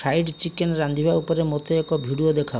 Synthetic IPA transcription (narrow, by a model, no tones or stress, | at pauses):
ɾajʈt͡ʃikenɾand̪ʱibʱaupɔɾemot̪eekɔbʱiɽiod̪ekʰa